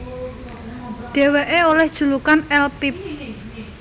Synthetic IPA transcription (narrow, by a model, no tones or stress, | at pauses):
ɖ̥e̤weʔeolɛhd̥ʒ̥ṳlukanɛlpip̚